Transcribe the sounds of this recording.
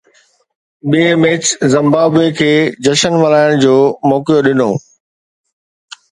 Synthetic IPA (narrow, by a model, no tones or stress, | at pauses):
ɓiemeːt͡ɕzɪ̃mbaːbekʰeːd͡ʑɐʃənʋɐlaːɪɽ̃d͡ʑoːmɔːkijoɗɪno̰ː